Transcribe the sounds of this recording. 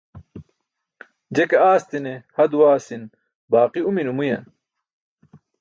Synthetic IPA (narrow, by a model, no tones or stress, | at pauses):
d͡ʑekeaːst̪inehɐd̪uwaːsin | baːqiuminumujɐ̰n